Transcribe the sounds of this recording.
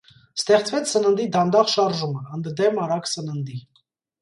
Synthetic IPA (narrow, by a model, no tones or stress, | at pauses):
st̪ɛχt͡svɛt͡sʰsənənd̪id̪ɑnd̪ɑχʃɑɾʒuməənd̪d̪ɛmɑɾɑksənənd̪i